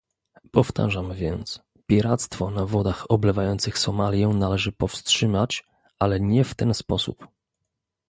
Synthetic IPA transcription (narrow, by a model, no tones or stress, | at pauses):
pɔft̪ʰa̰ʐamvʲjɛnt̪s | pʲjiɾat̪st̪fɔnavɔd̪axɔblɛvajɔnt̪sɘxsɔmalʲjɛnalɛʐɘpɔfstʂɘmat͡ɕ | ʔalɛɲɛft̪ɛnspɔsṵp